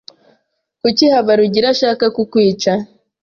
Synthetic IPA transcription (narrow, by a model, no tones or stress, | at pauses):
kucihaβaɾuɟiɾaʃaːkakukwiːt͡ʃa